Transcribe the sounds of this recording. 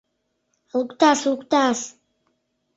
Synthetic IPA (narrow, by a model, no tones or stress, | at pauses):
lukt̪aslukʷt̪as